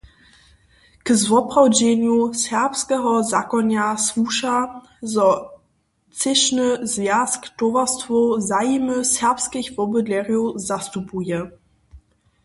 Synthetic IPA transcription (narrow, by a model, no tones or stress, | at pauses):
kəzvɔpʁawd͡ʑenjusɛʁpskəɦɔzakɔnjasvuʃa | zɔ | t͡sɪʃnəzvjasktovastvɔzaiməsɛɐpskɪçvɔbədlɛʁjuzastupujɛ